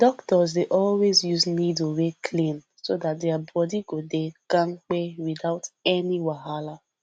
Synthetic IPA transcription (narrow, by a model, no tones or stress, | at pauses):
d̥ɔktɔzdeʔɔlwezjuznidowekʰlĩn | sodat̚deabɔdiɡodekãŋ̩k͡pewidaʊtɛniwaɦala